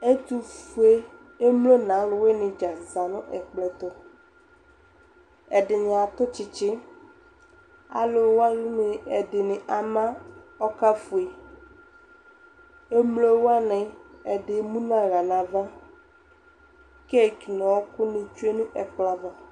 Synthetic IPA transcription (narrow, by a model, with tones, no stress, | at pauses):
e˦t̪u˦fu˨˦e˦ | e˦mlo˦nã˨˦lʊ˨we˦nɪ̃˨d͡ʒa˨za˨nʊ̃˦ʔɛ˨k͡plɛ˨t̪ʊ˦ | ɛ˨dɪ˨ɲ˨a˨t̪ʊ˦t͡ʃɪ˨t͡ʃɪ˦ | a̰˨lʊ˨˦wa˦lʊ˦nɪ˨ɛ˨dɪ˨nɪ̃˨ʔa˨mã˦ɔ˦ka˦fu˨e˨ | e˦mlo˦wa˦nɪ̃˨ɛ˨dɪ˨˦mũ˦nã˦ɣa˨nã˨va˦ | ke˦˨ki˨nɔ̃˨wɔ˦kʊ˦nɪ̃˨t͡ʃu˦e˦nũ˦ʔɛ˨k͡pla˦va˦